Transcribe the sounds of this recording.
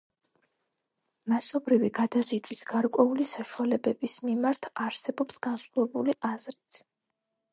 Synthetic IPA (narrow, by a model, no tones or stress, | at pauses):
masɔbɾiviɡad̪azid̪ʰwisɡ̥aɾkʼwɛulisaʃualɛbɛbismimaɾt̪ʰaɾsɛbɔpsɡ̥ansχɔɛbuliʔazɾit̪ʰ